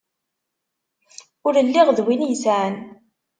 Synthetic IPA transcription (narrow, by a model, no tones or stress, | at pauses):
ʊɾəlːiʁðwinjəsʕən